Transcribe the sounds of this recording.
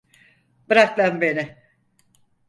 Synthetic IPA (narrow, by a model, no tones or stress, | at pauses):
bɯɾak̚lænbenɪ